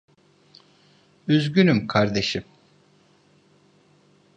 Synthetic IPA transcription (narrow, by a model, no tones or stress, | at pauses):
yzɟynymkʰaɾd̪e̞ʃim